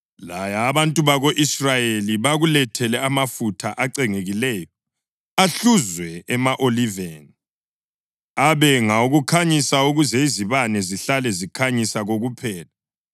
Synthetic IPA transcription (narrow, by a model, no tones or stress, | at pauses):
lajaːβantʼuβaɣoʔisrajeliβaɣulɛtʰɛlɛamafutʰaʔaǀɛŋeɣilɛːjɔ | aɬuzwɛɛmaʔoliveːni | aβɛŋauɣukʰaɲisauɣuzɛiziβanɛziɬalɛzikʰaɲisaɣoɣupʰɛːla